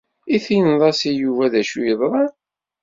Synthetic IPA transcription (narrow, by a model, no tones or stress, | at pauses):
iθinðˤɑsijuvæðæʃujəðˤɾˤɑ